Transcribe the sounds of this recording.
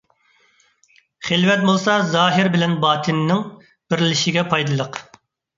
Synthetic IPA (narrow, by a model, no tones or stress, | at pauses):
χelvɛt̪̚bolˠsɑzɑːɦɪɾbɪlɛnbɑːt̪ʰɪnːɪŋ | b̥ɪɾlɪʃɪɡʲɛpʰɑjd̪ɨlˠəq